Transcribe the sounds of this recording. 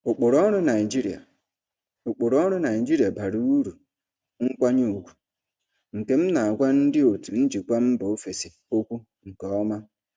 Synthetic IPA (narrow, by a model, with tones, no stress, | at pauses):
ʊ˨k͡pʊ˨ɾɔ˦ɾʊ˦na˨d͡ʒi˦ɾi˨a̰˨ | ʊ˨k͡pʊ˨ɾɔ˦ɾʊ˦na˨ɪ˨d͡ʒi˦ɾi˨a˨ba˨ɾu˦u˦ɾu˨ | ŋ̩˦kʷa˦ɲu˦u˨ɡʷu̥˨ | ŋ̩˨ke˨m̩˦na˨a˨ɡʷa˦n̩˦dɪ˦o˨tu˨n̩˦d͡ʒi˨kʷa˦m̩˦bo˨o˦fe˨si˨ | o˦kʷu˦ | ŋ̩˨ke˨ɔ˦ma˦